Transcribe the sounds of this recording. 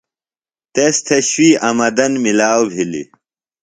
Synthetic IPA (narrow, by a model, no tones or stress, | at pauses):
t̪est̪ʰeɕwiːɐmɐd̪ɐnmilaːwbʱilḭ